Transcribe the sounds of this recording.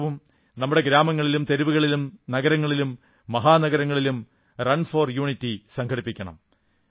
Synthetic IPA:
ʋum | nɐmːuɽe̞ɡɾaːmɐŋːɐɭilumt̪e̞ɾiʋuɣɐɭilumnɐɣɐɾɐŋːɐɭilumː | ɐɦaːnɐɡɐɾɐŋːɐɭilum | rɐnfoːrjuːɳitːisɐŋkʰɐɽipːikʲːɐɳɐ̰m

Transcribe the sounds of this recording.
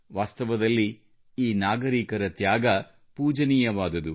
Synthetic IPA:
ʋaːst̪ɐʋɐd̪ɐlːi | iːnaːɡɐɾiːkɐɾɐt̪jaːɡɐ | puːd͡ʒɐnijɐʋaːd̪ɐd̪u

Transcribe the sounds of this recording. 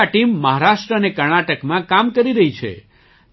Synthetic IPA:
aʈimːəɦaɾaʃʈɾəənekəɾɳaʈəkmãkamkəɾiɾəɦit͡ʃʰḛ

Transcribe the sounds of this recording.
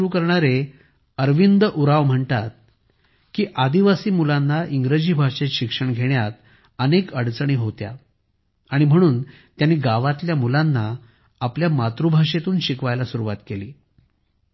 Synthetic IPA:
ɾuːkəɾɳaɾe | əɾʋind̪əʔuɾaʋm̤əɳt̪at̪̚ | kiːʔad̪iʋasiːmulanːaʔiŋɡɾed͡ʑiːbʱaʂet̪ɕikʂəɳɡʱeɳjat̪ | ənekəɽt͡səɳ̃iːɦot̪ja̰ | aɽ̃im̤əɽ̃uːn | t̪janiːɡaʋat̪ljamulanːaː | pljamat̪ɾubʱaʂet̪uːnɕikʋajlasuɾuʋat̪kelḭː

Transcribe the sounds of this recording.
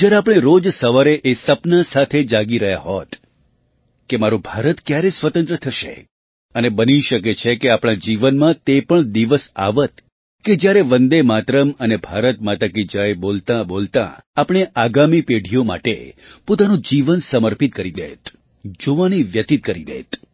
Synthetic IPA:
d͡ʒjaɾeapəɽ̃eɾod͡ʒsəʋaɾeʔesəpnasat̪ʰed͡ʒaɡiɾəɦja̰ɦot̪ | kemaɾũbʱaɾət̪kjaɾesʋət̪ənt̪ɾət̪ʰəʃḛ | ənebəniʃəket͡ʃʰekeapɽɳ̃ad͡ʒiʋənmãt̪epəɳd̪iʋəsa̰ʋət̪ | ked͡ʒjaɾeʋənd̪emat̪ɾəmənebʱaɾət̪mat̪akid͡ʒaebolt̪ãbolt̪ã̰apɽ̃eʔaɡamipeɽʱijoma̰ʈḛpot̪anũd͡ʒiʋənsəməɾpit̪̚kəɾid̪ḛt̪ | d͡ʒoʋaniʋjət̪it̪̚kəɾid̪ḛt̪

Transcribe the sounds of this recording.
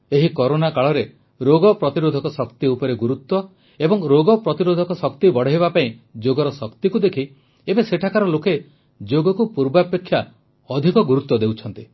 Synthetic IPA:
eɦikɔɾonakaɭɔɾe | ɾoɡɔpɾɔt̪iɾod̪ʱɔkɔsɔkt̪iupɔɾeɡuɾut̪ːwɔ | ebɔŋɾoɡɔpɾɔt̪iɾod̪ʱɔkɔsɔkt̪ibɔɽ̤ɔɦebapaĩd͡ʒoɡɔɾɔsɔkt̪ikud̪ekʰi | ebeseʈʰakaɾɔloke | d͡ʒoɡɔkupuɾbapekʰːja | ɔd̪ʱikɔɡuɾut̪wɔd̪ewt͡ʃʰɔnt̪i

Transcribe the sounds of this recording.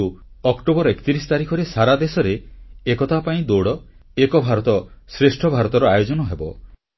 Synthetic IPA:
uɔkʈobɔɾɔekt̪iɾisɔ̥t̪aɾikʰɔɾesaɾad̪esɔɾeekɔt̪ʰapaĩd̪oɽɔekɔbʱaɾɔt̪ɔsɾesʈʰɔbʱaɾɔt̪ɔɾɔajod͡ʒɔnɔɦebɔ

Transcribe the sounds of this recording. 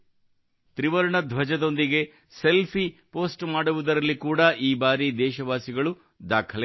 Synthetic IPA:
t̪ɾiʋɐɾɐɳɐd̪ʱʋɐd͡ʒɐd̪o̞nd̪iɡe̞ | se̞lpʰipo̞ːsʈmaːɽuʋud̪ɐɾɐlːikuːɽɐʔiːbaːɾid̪ɛːʃɐʋaːsiɡɐɭu | d̪aːkʰɐl

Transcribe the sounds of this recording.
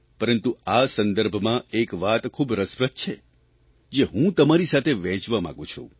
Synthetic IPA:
pəɾənt̪uasənd̪əɾbʱmãekʋat̪kʰubɾəspɾət̪̚t͡ʃʰe | d͡ʒeɦũt̪əmaɾisat̪ʰeʋɛ̃t͡ʃʋamã̰ɡũt͡ʃʰṵ̃

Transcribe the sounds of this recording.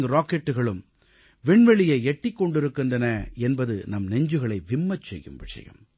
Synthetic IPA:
ɡɐɾaːkɛʈːɯɣɐɭɯm | ʋɪɳʋɛɭɪjɐɪɛʈːɪkːɔɳɖɪɾɯkːɯndrɐnɐɛnbɐðɯ̰nɐmnɛɲd͡ʒɯɣɐɭɐɪʋɪmːɐt͡ʃːsɛ̰jːɯ̰mʋɪʂɐ̰jɐ̰m

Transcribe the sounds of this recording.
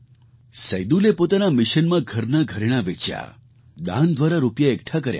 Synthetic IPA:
səjd̪ulepot̪anamɪʃənmãɡʱəɾnaɡʱəɾeɽ̃aʋet͡ʃja̰ | d̪ã̰nd̪ʋaɾaɾupjaekʈʰakəɾja̰

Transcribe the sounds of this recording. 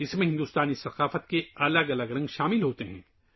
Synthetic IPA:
ɪsmẽɦɪ̃nd̪uːst̪aːnisɐqaːfət̪̚keɐləɡɐləɡɾɐ̃ŋɡʃaːmɪlɦoːt̪eɦɛ̰̃ː

